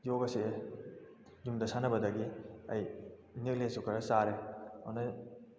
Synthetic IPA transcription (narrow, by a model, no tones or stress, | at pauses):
joɡɐsi | jumdɐsanɐbɐdɐɡiɐjnik̚lesukɐɾɐsaɾea̰nɐ